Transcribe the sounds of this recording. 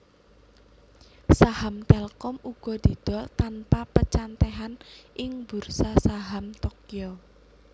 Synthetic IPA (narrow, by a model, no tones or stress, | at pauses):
sahamt̪ɛlkɔmuɡ̥ɔ̤d̪̥i̤d̪̥ɔt̪anpapət͡ʃant̪ɛɦanʔɪŋb̥ursasaɦamt̪ɔkio